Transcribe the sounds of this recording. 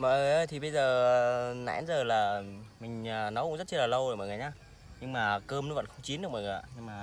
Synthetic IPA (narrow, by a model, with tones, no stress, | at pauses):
mə̰ː˧˨ŋː˨˩jʔəː˧˩jt̪ʰi˨˩ɓə˧jzəː˨˩˨na̰ː˧˥nzəː˨˩laː˨˩mï˨˩ŋ̟ː˨˩nɔ˨˦wkʊ̰˧˥ŋ͡mzə˦˥t̚t͡ɕə˧laː˨˩lə˧wo˨˩mə̰ː˧˨ŋəː˨˩ɲaː˧ | ɲɨ˧ŋmaː˨˩kəː˧mo˨˦və̰˧˨xə˧wŋ͡mt͡ɕi˨˦nɗɨ˨˩kmə̰˧˨˩ŋə˨˩˨ɲɨ˧ŋmaː˨˩